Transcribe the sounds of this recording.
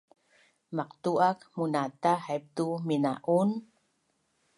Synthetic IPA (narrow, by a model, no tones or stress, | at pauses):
maq̚t̪uʔakmunat̪ahajp̚t̪uminaʔun